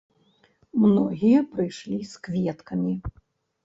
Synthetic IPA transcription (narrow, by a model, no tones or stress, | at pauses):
mnɔɣʲijɐpɾɨjʂlʲiskvʲɛt̪kɐmʲi